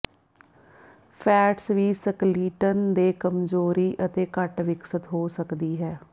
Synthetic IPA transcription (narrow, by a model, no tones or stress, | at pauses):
pʰɛːʈsʋiːsəkliːʈənd̪eːkəmzoːɾiːʔət̪eːkəʈʋɪksət̪ɦoːsəkd̪iːɦɛː